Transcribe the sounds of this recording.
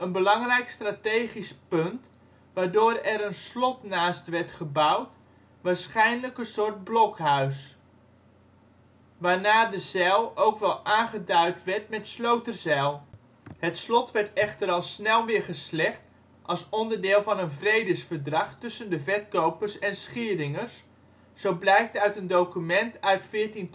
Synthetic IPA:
ənbəlɑŋrɛjkstratejχispɵnt | ʋaːɹdʊːɾɛɾənslɔtnaːstʋɛɹtχəbawt | ʋaːɹsχɛjnləkənsʊːɹt̚blɔkɦœɥs | ʋaːɹnaːdəz̥ɛlˠowkʋɛlˠaːnχədœɥtʋɛɹtmɛtslowtəzɛlˠ | hətslɔtʋɛɹtɛχtəɾɑlˠsnɛlˠʋɪːɹχəslɛχt | ʔɑlˠsɔndəɹdɪːlˠvɑnənvrejdəsfəɹdrɑχtɵsəndəvɛtkowpəɹsɛnsχɪːɾɪŋərs | z̥owblɛjk̚tœɥtəndowkymɛntœɥtfɪːɹtin

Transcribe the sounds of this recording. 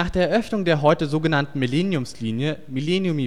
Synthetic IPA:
aːχd̥eːɐɛɐʔœfnʊŋdeːɐɦɔʏtəzoːɡənantn̩milɛnjʊmsliːnjəmilɛnjʊmi

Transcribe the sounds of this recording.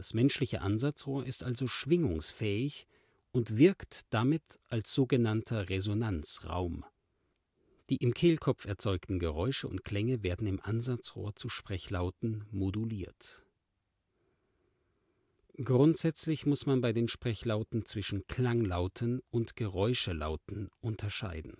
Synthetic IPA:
asmɛnʃlɪçə̰ʔanzat͡sʁoːɐʔɪstʔalzoʃv̥ɪŋʊŋsfɛːɪç | ʔʊntv̥ɪɐktd̥amɪtʔalsz̥oːɡənantʰɐʁezonant͡sʁa̰ʊm | d̥iːʔɪmkʰeːlkʰɔp͡fɛɐt͡sɔʏktn̩ɡəʁɔʏʃəʊ̰nt̚kʰl̥ɛŋəveːɐdn̩ɪmʔanzat͡sʁo̰ːɐt͡suʃpʁ̥ɛçlaʊtn̩moduliːɐt | ɡ̥ʁʊntz̥ɛt͡slɪçmʊsmanbaɪdeːnʃpʁ̥ɛçlaʊtn̩t͡sv̥ɪʃn̩kʰl̥aŋlaʊtʰənʊntɡ̥əʁɔʏʃəla̰ʊtn̩ʔʊntʰɐʃa̰ɪdn̩

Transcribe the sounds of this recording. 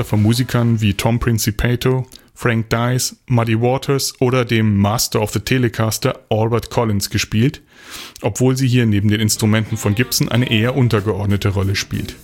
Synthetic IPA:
ɐfɔnmuːzikʰɐnviːtʰɔmpʁ̥ɪnsipʰɛːtʰo | fʁ̥aŋk̚d̥aɪsmadiwɔtʰəsʔoːɾɐdeːmːaːstɐɔfð̥ətʰeləkʰaːstɐʔɔlbɛɐtkʰɔlɪnsɡ̥əʃpiːlt | ʔɔpv̥oːlziːɦiːɐneːbm̩deːnɪnstʁ̥umɛntn̩fɔnɡɪpsn̩ʔa̰ɪnəʔeːɐʔʊntɐɡəʔɔɐdnətʰəʁɔləʃpḭːlt

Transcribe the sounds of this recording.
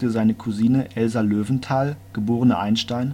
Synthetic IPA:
təzaɪnəkʰuziːnəʔɛlzaløːvn̩tʰaːlɡ̥əboːʁənəʔa̰ɪnʃtaɪn

